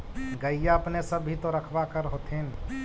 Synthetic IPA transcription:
ɡəijaəpnesəbːʱit̪oɾəkʰbakəɾɦot̪ʰin

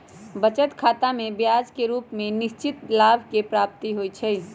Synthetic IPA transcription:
bət͡ʃət̪kʰaːt̪amẽbjaːd͡ʒkeɾuːpmẽnɪʃt͡ʃɪt̪laːbʱkepɾaːp̚t̪iɦoit͡ʃʰɛ

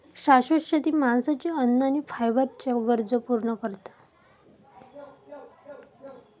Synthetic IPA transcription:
ɕaɕoɕat̪iːmansat͡ɕaənːanifʰajʋat̪t͡ɕaɡəɾd͡zəpuɾɳəkəɾt̪ḁ

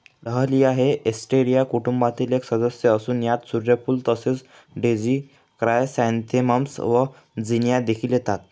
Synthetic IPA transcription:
ləɦəliaɦeʔesʈeɾijakuʈumbat̪iːleksəd̪əsjəːsuːnjat̪suɾjapuːlt̪əset͡s | ɖed͡ʑi | kɾajsɛ̃nt̪ʰiməmsʋə | d͡zinjad̪ekʰiːljet̪at̪̚

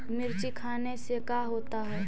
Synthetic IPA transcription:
mɪɾt͡ʃikʰaːnesekaːɦoːt̪aɦɛː

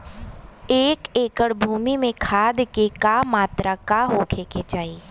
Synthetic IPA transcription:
eːkeːkəɽbʱuːmimẽkʰaːd̪kekamaːt̪ɾakaɦokʰeket͡ʃaːiː

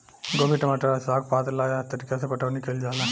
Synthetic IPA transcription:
ɡomiʈɐmaːʈɐɾasaːɡ̚paːd̪laːjat̪ɐɾikasepɐʈɐʋnikeld͡ʒaːla

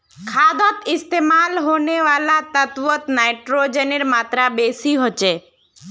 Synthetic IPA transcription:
kʰad̪ɔt̪ɪst̪emalɦoneʋalat̪ət̪ʋɔt̪najʈɾod͡ʒeniɾmat̪ɾabesiɦɔt͡ʃe

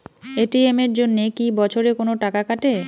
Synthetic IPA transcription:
eʈiemeɾd͡ʑonːekibɔt͡ɕʰoɾekonoʈakakaʈe

